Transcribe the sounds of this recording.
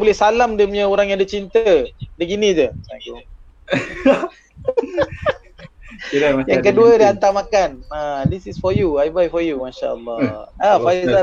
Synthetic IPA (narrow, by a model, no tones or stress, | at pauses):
bolɛhsalamdiəmɲəoɾaŋjãdət͡ʃint̪ədəɡinid͡ʒət̪ɛ̰̃ŋkju | iɾaajãkəduədəant̪amakanadisisfɔjuajbajfɔjumaʃa̰ə̰lːɔafa